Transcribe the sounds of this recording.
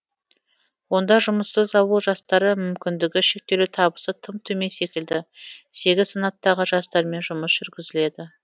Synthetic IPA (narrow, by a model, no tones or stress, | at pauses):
wo̞nd̪ɑʒʊməsːəzɑwəlˠʒɑst̪ɑɾəmʏmkʲɪnd̪ɪɡʲɪʃe̞k̚t̪e̞lut̪ʰɑbəsət̪ʰəmt̪ʰɵme̞nse̞kʲɪld̪ɪse̞ɡʲɪzsɑnɑt̪ːɑʁəʒɑst̪ɑɾme̞nʒʊməsʒ̥ʏɾɡʲɪzɪle̞d̪ɪ